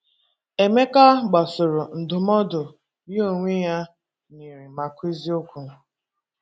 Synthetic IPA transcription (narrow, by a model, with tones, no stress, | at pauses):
e˨me˦ka˦ɡ͡ba˨sʊ˨ɾʊ˨n̩˨dʊ˨mɔ˦dʊ˨ | ni˦o˨ŋʷe˦ja˦ | ni˨ɾi˨ma˨kʷi˦zi˦ʊ˦kʷu˨